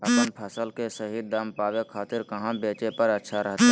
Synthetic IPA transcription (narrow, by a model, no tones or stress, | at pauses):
əpənpʰəsəlkesəɦid̪əmpaːʋekʰaːt̪ɪɾkɐɦãbeːt͡ʃepɐɾətːʃʰaɾəɦt̪a